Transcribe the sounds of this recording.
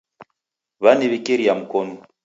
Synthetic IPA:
βaniβikiɾiam̩kɔnu

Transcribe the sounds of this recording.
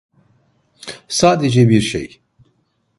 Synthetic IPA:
saːd̪ed͡ʒɛbiɾʃḛj

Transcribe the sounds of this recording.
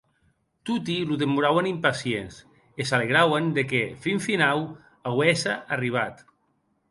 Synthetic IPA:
t̪ut̪iluðemuɾawanimpasiens | esaleɣɾawend̪ekefiɱfinaw | awɛsaʔariβ̞at̪

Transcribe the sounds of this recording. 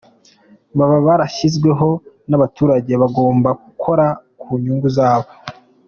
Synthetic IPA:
βaβaβaɾaʃizɡwe̞ɦo̞ | naβatuːɾaɟe̞βaɡo̞ːmbakukʰo̞ɾakuːɲuːŋɡuzaːβo̞

